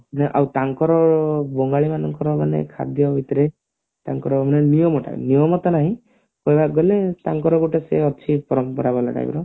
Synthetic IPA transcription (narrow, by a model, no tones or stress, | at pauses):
ɔneʔa̰wt̪aŋkɔɾɔbɔŋɡaɭimanɔŋkɔɾɔmanḛkʰa̰d̪ʱjɔbʱit̪ɔɾe | t̪aŋkɔɾɔmanenijɔmɔʈa̰nijɔmɔt̪ɔnaɦĩ | kɔjbaɡɔlet̪aŋkɔɾɔɡuʈeseɔt͡ʃʰipɔɾɔmpɔɾabɔla̰ɡa̰jb̰ɾɔ